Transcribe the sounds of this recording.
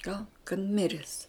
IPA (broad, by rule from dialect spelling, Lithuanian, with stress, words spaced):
ɡɐʊn kɐt ˈmʲɪrʲɛs